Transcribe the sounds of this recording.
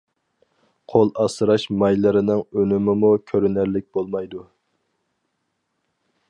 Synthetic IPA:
qʰolˠɑsɨɾɑʃmɑjlˠɨɾɪnɪŋønɪmɪmukʲʰøɾɪnæɾlɪk̚ʲbolˠmɑjd̪u

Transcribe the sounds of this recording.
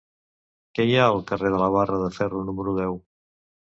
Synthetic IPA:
kɛjaəlˠkəreðələβ̞arəðəfɛrunuməɾuðɛw

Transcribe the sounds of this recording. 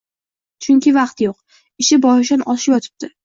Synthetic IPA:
t͡ʃʰʊŋkʲʰɪvɑqt̪joq | ɪʃɪbɒjɪʃ̬anʔɒʃɪjɒt̪ʰɪ̥b̚d̪̥ɪ

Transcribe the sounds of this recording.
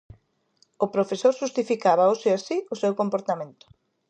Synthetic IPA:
ʊpɾofesoɾʃust̪ifikaβ̞aoʃeasiʊsewkompoɾt̪amẽnt̪ʊ̥

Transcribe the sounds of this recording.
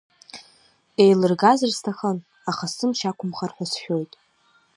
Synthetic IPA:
e̞jlɨrɡazɨrstʰaχən | aχasɨmʃakʷʰʊmχarħʷasħᶣo̞jtʼ

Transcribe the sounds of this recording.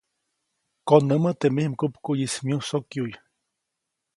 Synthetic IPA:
konːəmət̪emehmkupkujismiusokjuj

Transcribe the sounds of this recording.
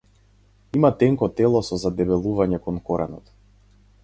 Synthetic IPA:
imat̪ɛŋkɔt̪ɛlˠɔsɔzad̪ɛbɛlˠuvaɲɛkɔnkɔɾɛ̰nɔt̪

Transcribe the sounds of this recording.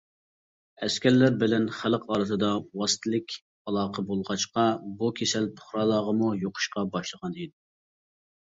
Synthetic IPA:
ɛskʲɛɾlːæɾbɪlɛnχæləqʰɑːɾɨt̪ɨd̪ɑwɑsɨ̥t̪ʰɨlˠɨkʲ | ɑlˠɑːqʰəbolˠʁɑt͡ʃqɑbukʲʰesɛlpʰʊ̥χɾɑːlˠɑːʁəmujoqʰʊ̥ʃqɑbɑʃlˠəʁɑnejd̪ɪ

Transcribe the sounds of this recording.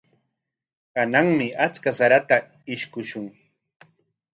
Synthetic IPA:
kanaŋmɪat͡skasaɾat̪a | ɪʃkʊʃʊŋ

